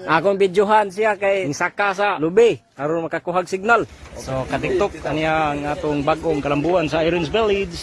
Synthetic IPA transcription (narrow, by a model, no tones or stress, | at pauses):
ʔakʊŋbid͡ʒuɦansiakajŋsakasalubekaɾʊnmakakuɦaɡsiɡ̚nalsokat̪ik̚t̪ʊk̚aniaːŋat̪ʊŋbaɡoŋkalambuansaiɾinsbɛlid͡ʒs